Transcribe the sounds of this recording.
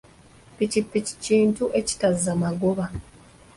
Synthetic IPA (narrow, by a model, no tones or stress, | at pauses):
picipːici̥ciːntuʔe̞ci̥tazːamaɡoβa